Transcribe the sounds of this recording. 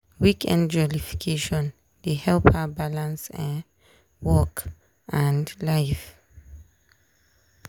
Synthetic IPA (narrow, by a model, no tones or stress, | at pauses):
wikʰɛ̰̃ndd͡ʒɔlifi̥kʰeʃɔ̃n | dehɛlpʰabalãnsɛ̃ | wɔk | ʔãndlajf